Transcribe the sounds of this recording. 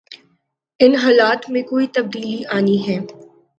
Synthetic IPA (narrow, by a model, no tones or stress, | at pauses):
ɪnɦaːlaːt̪mẽkoːit̪ɐb̚d̪iːliʔaːniɦɛː